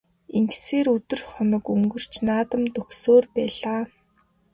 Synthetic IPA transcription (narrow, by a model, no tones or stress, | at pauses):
iŋɡseːɾɵt̪ɵ̆rχʊnə̆kuŋɡɵ̆r̥t͡ɕnaːt̪ə̆mt̪ɵxsoːrpæːɮaː